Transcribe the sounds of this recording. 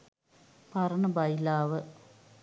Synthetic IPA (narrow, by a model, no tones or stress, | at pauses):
pɐrɐɳɐbɐjlaːʋɨ